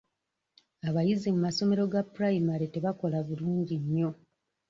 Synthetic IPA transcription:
aβajizimumaso̞me̞ɾo̞ɡapuɾajimaɾete̞βako̞laβuluːɲɟiɲːo̞

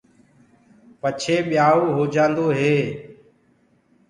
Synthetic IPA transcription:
pət͡ʃʰeːɓɪjaːoːɦoːd͡ʒãːnd̪oːɦeː

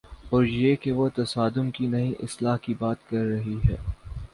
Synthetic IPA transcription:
ɔːɾjekeʋot̪ɐsaːd̪ʊmkinɐɦĩʔɪslaːɦkibaːt̪kɐɾːɐɦiɦɛ̰ː

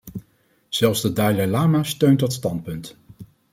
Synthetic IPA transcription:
z̥ɛlˠfzdədajlalaːmaːstøɥntdɑtstɑnt̚pɵnt

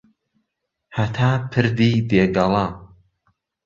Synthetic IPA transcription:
hɐt̪ʰaːpʰɨɾd̪iːd̪eːɡɐlˠɑ

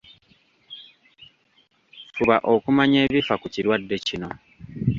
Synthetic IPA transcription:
fuβaʔo̞kumaɲe̞ːβifakuciɾwadːe̞cino̞

